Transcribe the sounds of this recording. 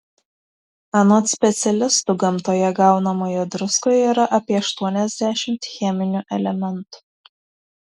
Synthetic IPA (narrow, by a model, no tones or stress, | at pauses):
ɐnoːt̪sʲpʲɛt̪sʲɛlʲɪst̪ʊɡɐmt̪oːjɛɡɑˑʊnɐmoːjod̪ɾʊskoːjiːɾɐʔɐpʲiɛɐʃt̪uɔnʲɛzʲd̪ʲæːʃʲɪmt̪xʲɛmʲɪnʲuʔɛlʲɛmʲɛnt̪ʊ̥